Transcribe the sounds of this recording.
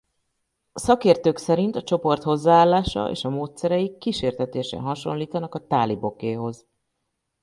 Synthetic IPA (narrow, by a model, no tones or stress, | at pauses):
sɒkeːrt̪øːksɛɾint̪ɒt͡ʃo̞po̞rt̪ho̞zːaːaːlːaːʃɒ̰ʔḛːʃɒmoːt̪sɛɾɛjikːiʃeːrt̪ɛt̪eːʃɛ̰ɦɒʃo̞̰nliːt̪ɒnɒkɒt̪aːlibo̞keːɦo̞z